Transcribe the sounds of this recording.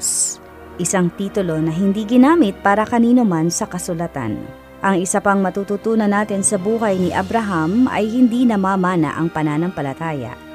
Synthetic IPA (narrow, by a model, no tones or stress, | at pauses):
s | ʔɪsaŋt̪iːt̪ʊlo̞nɐɦɪnd̪iːɡɪnaːmɪt̪̚paːɾɐkɐniːnomansɐkɐsʊlɐt̪a̰n | ʔɐŋɪsɐpɐŋmɐt̪uːt̪ut̪uːnɐnːaːt̪ɪnsɐbuːɦɐjnɪʔɐbɾɐɦamɐ̰jhɪnd̪inɐmaːmaːnɐ̰ʔɐŋpɐnaːnɐŋpɐlɐt̪aːjɐ̰ʔ